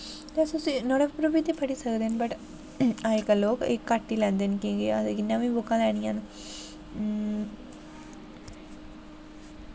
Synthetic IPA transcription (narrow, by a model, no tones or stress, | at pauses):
t̪esʊsĩːnoːɽepɾobiːt̪eːpʰəʈiːsəkd̪eːnbəʈ | aːikəloːkekːaːʈːiːlɛ̃ːnd̪enkĩːɡeːat̪eɡɪnːãːʋĩːbʊkːãːlɛːɽ̃ijãːn